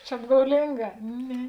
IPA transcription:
t͡ʃʲɛ ɐbɡɐʊˈlʲɪŋˌɡɑː ˈnʲɛ

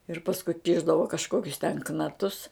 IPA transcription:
ɪr pɐsˈkʊ ˈkʲɪʒdɐʋoː kɐʃˈkoːkʲʊs tʲɛn knɐˈtʊs

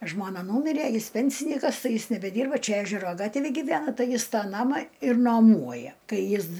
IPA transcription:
ˈʒmoːnɐ ˈnuːmʲɪrʲeː ˈjɪs ˈpʲɛnʲsʲɪnʲiːkɐs ˈtɐɪ ˈjɪs nʲɛbʲɛˈdʲiːrbɐ ˈt͡ʃʲɛ ˈæːʒʲɛroː ˈɡɑːtʲʋʲeːj ɡʲɪˈʋʲæːnɐ ˈtɐɪ ˈjɪs ˈtɑː ˈnɑːmɑː ɪr nɐˈmuɔjɛ ˈkɐɪ ˈjɪs

